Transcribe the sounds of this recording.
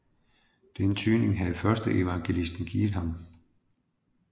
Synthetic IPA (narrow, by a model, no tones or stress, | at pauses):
d̥enət͡sʰyːne̝ŋɦæfɶɐsd̥əʔe̝ʋɑ̈ŋɡ̥e̝lisd̥n̩ɡ̥iːð̩ˠhɑ̈m